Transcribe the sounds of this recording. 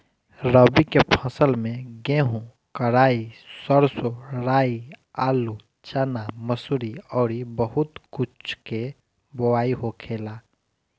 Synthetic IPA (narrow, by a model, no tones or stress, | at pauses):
ɾəbikepʰəsəlmẽɡeːɦũ | kəɾaːisəɾsoɾaːiaːlu | t͡ʃənaməsuɾiɔːɾibəɦʊt̪kʊt͡ʃʰke | bowaːiɦokʰeːla